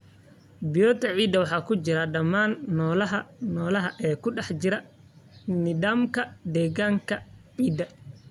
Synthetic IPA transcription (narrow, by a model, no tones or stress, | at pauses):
bɪjɔːt̪ʰɐʕiːd̪ɐwɑħɑːkʊd͡ʒɪɾɐɗɐmːaːnːɔːlɐɦɐnɔːlɐɦɐʔɛːkʊɗɛħd͡ʒɪɾɐ | nɪd̪aːmkɐd̪ɛːɡaːŋkʰɐʕiːd̪ɐ